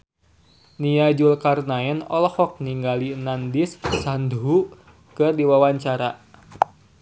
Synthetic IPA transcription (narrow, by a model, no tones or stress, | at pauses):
niad͡ʒulkarnaɛnɔ̰lhɔk̚niŋɡalinandisːandɦu | kɨrdiwawaɲt͡ʃaɾa